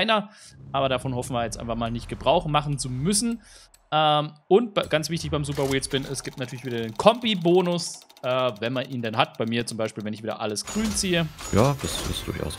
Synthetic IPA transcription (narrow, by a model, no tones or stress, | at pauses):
ɪnɐʔaːbɐɾafɔnhɔfn̩viːɐjɛt͡stʔaɪnfaχmaːlnɪçt̚ɡ̥əbʁaʊχmaχn̩t͡sumʏsn̩ | ʔɛːmʊnt̚b̥ɡ̥ant͡sv̥ɪçtɪçb̥aɪmzuːpɐweːsb̥ɪnʔɛsɡ̥iːp̚tnatʰyːɐlçviːdɐdeːnkʰɔmbiboːnʊsʔɛːvɛnmanʔiːndɛnɦatb̥aɪmiːɐt͡sʊmbaɪʃpiːlvɛnɪçviːdɐ̰ʔaləsɡ̥ʁyːnt͡siːəjaːd̥asɪ̰sd̥ʊ̰ɐça̰ʊs